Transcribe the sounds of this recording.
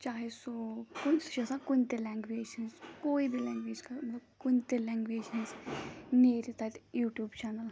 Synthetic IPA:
t͡ʃaːɦesokʊnsʃɐsãkʊnt̪elɛ̃ːŋɡʋeːʃənzkoːibʱilɛ̃ːŋɡʋeːd͡ʒkɐmɐt̪ləbkʊnt̪elɛ̃ːŋɡʋeːʃənzneːɾit̪ɐtjuːʈjuːbt͡ʃaːnəl

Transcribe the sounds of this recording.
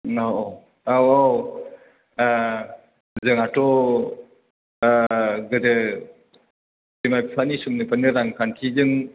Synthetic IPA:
aw | awaw | zɯŋatɔ | ɡɯdɯ | timajppʰanisumnɯpanɯɾaŋkʰankʰizɯŋ

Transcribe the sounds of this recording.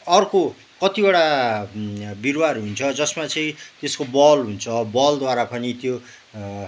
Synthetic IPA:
ʌrko | kʌt̪ibaɽa | birwarɦunt͡sʰʌd͡zʌsmat͡sʌĩt̪eskobʌlɦunt͡sʰʌbʌld̪waɾapʌnit̪jo

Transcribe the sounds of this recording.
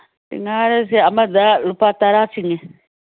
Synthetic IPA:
dḭŋaɾɛs̬iamad͡zalupataɾasiŋɛ

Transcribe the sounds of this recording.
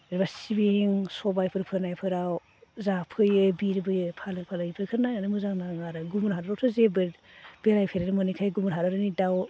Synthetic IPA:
ɾbasibeŋsɔbajpʰɯɾpʰɯnajpʰɯɾaw | zapʰɯjɯbiɾbɯjɯpʰalɯpʰalɯɡipʰɯɾkʰɯɾnajanɯmɯzaŋnaŋaɾɯɡumuɾɦaɾɯɾɔtʰɯzebɯ | b̥eɾajpʰeɾanɯmɯnikʰajɡumuɾɦaɾɯɾɯnidaw

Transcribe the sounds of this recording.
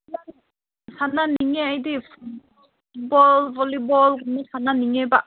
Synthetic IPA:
na | sananiŋɛajdipʰut | bɔlbɔlibɔlɡunɔsananiŋɛbaʔ

